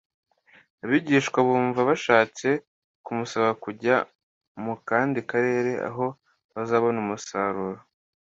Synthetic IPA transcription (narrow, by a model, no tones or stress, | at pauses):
aβiːɟiːʃkwaβuːɱvaβaʃaːt͡se̞ | kumusaβakuɟa | mukaːndikaɾe̞ːɾe̞a̰ɦo̞ | βazaːβo̞numusaːɾuːɾo